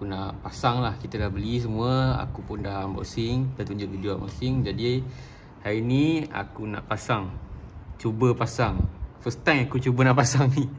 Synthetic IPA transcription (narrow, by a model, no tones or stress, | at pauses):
akunaʔpasaŋlahkit̪əlahbəlis̬əmuəa̰kupundahmba̰sɪŋdat̪uɲd͡ʒʊʔ̚vidioaʔma̰sɪŋd͡ʒadi | hajinia̰kuna̰ʔpasaŋt͡ʃubəpasaŋfəst̪aŋakut͡ʃubənaʔpasaŋi